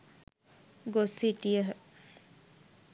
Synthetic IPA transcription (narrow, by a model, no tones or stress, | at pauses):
ɡosiʈijəɦ